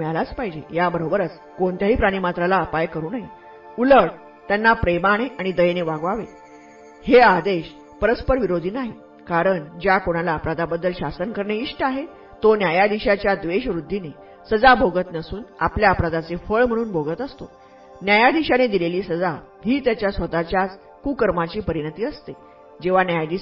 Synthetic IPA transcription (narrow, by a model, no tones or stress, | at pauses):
mɛɭlat͡spaɦid͡ʑejabəɾobəɾət͡s | koɳt̪jaɦiːpɾaɽ̃iːmat̪ɾalaəpajkəɾuːnaɦi | uləɽ | t̪janːapɾemaɽ̃eʔaɽ̃id̪əjneʋaɡʋaʋe | head̪eɕ | pəɾəspəɾʋiɾod̪ʱiːnaɦi | kaɾəɳd͡ʑjakoɽ̃alaːpɾad̪abəd̪ːəlɕasənkəɾɳeiɕʈəaɦe | t̪onjajad̪iɕat͡ɕjad̪ʋeɕʋɾud̪ʱːine | səd͡zabʱoɡət̪nəsuːna̰pljaːpɾad̪at͡sefəɭm̤əɽ̃uːnbʱoɡət̪əst̪o | njajad̪iɕaned̪ileliːsəd͡za | ɦiːt̪jat͡ɕjasʋət̪at͡ɕjat͡s | kukəɾmat͡ɕiːpəɾiɽ̃ət̪iːəst̪e | d͡ʑeʋ̤anjajad̪i